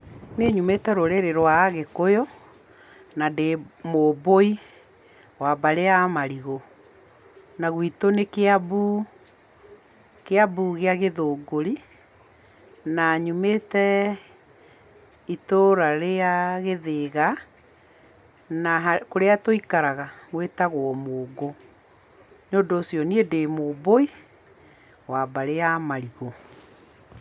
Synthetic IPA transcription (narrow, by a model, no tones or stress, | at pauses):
neɲumetɛɾoɾeɾeɾwaːɣekojɔ | nademoboi | wabaɾeamaɾiɣo | naɣwitonekeabu | keabuɣeaɣeðoːɡoɾi | naɲumetɛ | itoɾaɾeaɣeðeɣa | naɦakoɾeatoikaɾaɣaɣweːtaɣwɔmoːɡo | noːdoːsjɔniedemoːboi | waːbaɾeamaɾiɣo